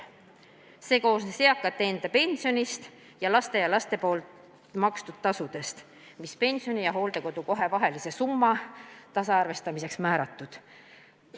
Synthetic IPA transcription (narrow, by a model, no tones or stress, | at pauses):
se̞ːko̞ːsneseɑkːˑɑt̪ːe̞ːnd̪̥ɑpe̞nʲsio̞nist̪ | jɑlɑst̪e̞jɑlɑst̪e̞po̞ːl | mɑkst̪ud̪̥̚t̪ːɑsud̪̥e̞st̪ | mispe̞nʲsio̞nijɑɦo̞ːld̪̥e̞ko̞d̪̥uko̞ɦe̞vɑɦe̞lise̞sumːɑt̪ɑsɑɑrve̞st̪ɑmise̞ksmæːɾɑt̪ːˑud̪̥